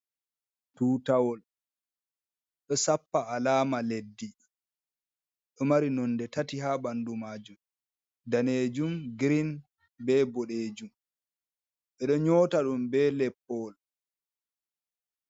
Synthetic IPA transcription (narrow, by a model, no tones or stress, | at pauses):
tuːtawɔl | ɗɔsapːaalaːmaledːi | ɗɔmaɾinɔndɛtatiɦabandumaːd͡ʒum | daneːd͡ʒumɡɾin | bɛbɔɗeːd͡ʒum | ɓɛɗɔɲɔːtaɗumbɛlɛpːɔl